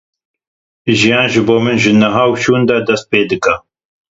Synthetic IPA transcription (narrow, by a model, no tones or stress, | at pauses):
ʒijɑːnʒɨboːmɨnʒɨnɐɦaːwʃuːnd̪ɐd̪ɐst̪̚peːd̪ɨkɐ